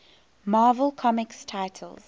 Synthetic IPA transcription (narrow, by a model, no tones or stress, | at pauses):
maːvəlˠkʰɔmɪkstʰaɪtʰə̰lz̥